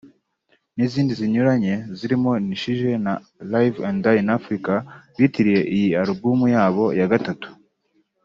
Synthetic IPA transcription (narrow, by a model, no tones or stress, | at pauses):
niziːndiziɲuɾaɲe̞ziɾimo̞niʃiʒe̞na | lajvãndajinafɾikaβitiɾije̞ʔijiaɾobumujaːβo̞jaɡatatu̥